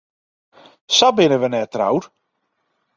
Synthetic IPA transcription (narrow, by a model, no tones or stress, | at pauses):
sabɪnəʋənɛtra̰wr